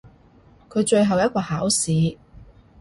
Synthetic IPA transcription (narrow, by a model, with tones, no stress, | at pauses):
kʰɵ˨˧ɥt͡ʃɵ˧ɥɦɐ˨wjɐ˥t̚kʷɔː˧haː˨˥wsiː˨˧